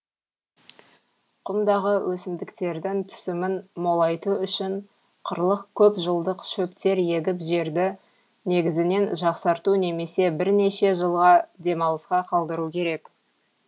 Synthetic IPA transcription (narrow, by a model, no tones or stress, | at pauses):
qʰʊmd̪ɑʁəwʔɵsɪmd̪ɪkt̪e̞ɾd̪ɪŋt̪ʰʏ̥sɪmɪnmo̞lˠɑjt̪uʏʃɪɴ | qʰə̰ɾlˠəqkʲʰɵpʒəlˠd̪əqʃɵpt̪e̞ɾje̞ɡʲɪpʒe̞ɾd̪ɪ | ne̞ɡʲɪzɪne̞nʒɑqsɑɾt̪une̞me̞se̞bɪɾne̞ʃe̞ʒəlˠʁɑd̪e̞mɑlˠəsqɑqʰɑlˠd̪əɾukʲʰe̞ɾe̞k